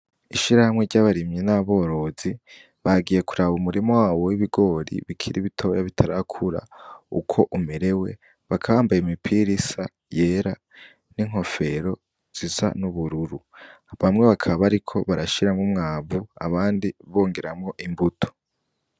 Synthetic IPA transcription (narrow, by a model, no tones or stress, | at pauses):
iʃiɾahamŋeɾɟaβaɾimɲenaβo̞ːɾo̞zi | βaɡije̞kuɾaβumuɾimowaːwowiβiɡo̞ɾḭβikʰiɾiβitʰo̞jaβitʰaɾakʰuɾa̰ṵkʰo̞ʔumeɾe̞we̞ | βakʰaβaːmbajimipʰiɾisa | je̞ːɾa | niŋ̥ɦo̞fe̞ɾo̞ | z̥iza̰nuβuɾuɾu | βamŋe̞βakʰaβaɾikʰo̞βaɾaʃiɾaŋɡumŋaːβua̰βaːndiβo̞ːŋɡe̞ɾamŋo̞ʔimbutʰo̥